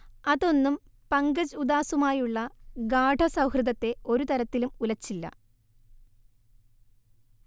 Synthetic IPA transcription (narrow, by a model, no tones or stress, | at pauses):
ɐðo̞nːum | pɐŋɡɐd͡ʑud̪aːsumaːjuɭːɐɡaːɖʱɐsɐwhrɨðɐt̪ːe̞o̞ɾut̪ɐɾɐt̪ːilumulɐt͡ɕːilːɐ̰